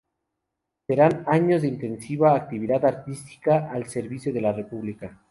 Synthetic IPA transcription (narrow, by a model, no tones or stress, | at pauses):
se̞ɾanaɲo̞zðeint̪e̞nsiβaːk̚t̪iβiðaðaɾt̪ist̪i̥kaːlse̞ɾβisjoðe̞lare̞puβlika